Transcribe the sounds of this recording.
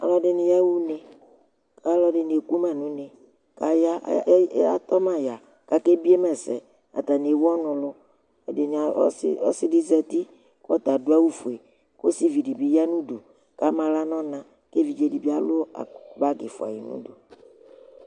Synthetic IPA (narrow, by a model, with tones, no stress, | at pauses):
a̰˨lɔ˦ɖɪ˨nɪ̃˨ja˦wu˦nẽ˨ | ka˦lɔ˦ɖɪ˨n˨e˨ku˦mã˨nũ˦nẽ˨ | ka˨ja˦a̰˦t̪ɔ˦mã˨ja˨ | ka˦ke˦bi˦e˦mɛ˨sɛ˨ | a̰˨t̪a˨n˨e˨wɔ˦nʊ̃˨lʊ˦˨ | e˨n̰˨˦˨o̰˦sɪ˦di˦zɛ˨t̪i˦ | ka˦t̪a˨do˦a˦wu˦fo˨e˨ | ko˦si˦vi˨ɖi˨bi˨ja˦nũ˦ɖu˨ | ka˦mã˨la˦nɔ̃˦nã˨ | ke˦vi˨d͡ʒe˦di˨bi˦a˨lʊ˦a̰˨ba˦ɡe˨fʊ̰˨a̰˨ji˨nṵ̃˦do˨